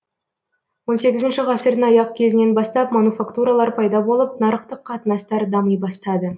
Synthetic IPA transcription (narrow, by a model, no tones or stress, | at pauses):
wo̞nse̞ɡʲɪzɪnʃɪʁɑsɪɾd̪ɪnɑjɑq̚kʲʰe̞zɪne̞nbɑst̪ɑpmanufakt̪uɾɑlˠɑɾpʰɑjd̪ɑbo̞lˠəpnɑɾəqt̪əqʰːɑt̪ənɑst̪ɑɾd̪ɑməjbɑst̪ɑd̪ə